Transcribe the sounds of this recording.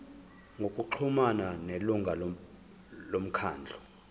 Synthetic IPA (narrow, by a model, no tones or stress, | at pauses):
ŋokʼuǃʰumananeluŋɡʱal | lom̩kʰa̰ːnd͡ɮʱɔ